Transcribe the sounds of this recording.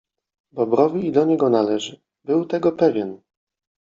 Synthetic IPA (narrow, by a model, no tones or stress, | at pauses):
d̪ɔbɾɔvʲiːd̪ɔɲɛɡɔnalɛʐɘ | bɘwt̪ɛɡɔpɛvʲjɛn